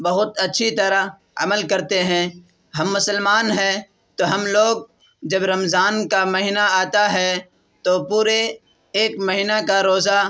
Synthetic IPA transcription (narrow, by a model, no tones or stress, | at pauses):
bɐɦʊt̪ɐtːʃʰit̪ɐɾa | ɐ̰məlkɐɾt̪eɦɛ̃ː | ɦɐmːʊsəlmaːnɦɛ̃ | t̪oːɦɐmloːɡ̚ | d͡ʒɐbɾɐmzaːnkamɐɦɪnaaːt̪aɦɛ | t̪opuːɾeː | kmɐɦinakaɾoːza